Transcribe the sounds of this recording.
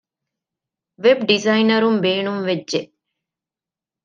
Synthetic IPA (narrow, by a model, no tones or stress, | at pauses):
ʋebɖizɐinɐɾumbeːɳumʋedʒeʔ